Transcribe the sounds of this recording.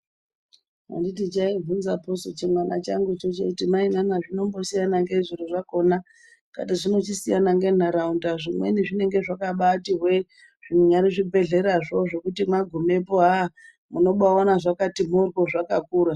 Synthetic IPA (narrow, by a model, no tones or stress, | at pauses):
a̰nditit͡ʃaivunzaposot͡ʃimwana̰t͡ʃaŋɡut͡ʃot͡ʃḛkutimainanaʐino̞mbo̞sijanaŋɡe̞ʐiɾuʐako̞na | ka̰tiʐino̞t͡ʃisijanaŋɡe̞n̤aɾaundaʐimwe̞̰niʐine̞ŋɡe̞ʐakaɓatiɦwe | ʐ̥inuɲaɾiʐibʱe̞ɮe̞ɾaʐo̞ʐo̞kutimaɡʱume̞poɦa | muno̞ɓaanaʐakatim̤urkoʐakakuːɾa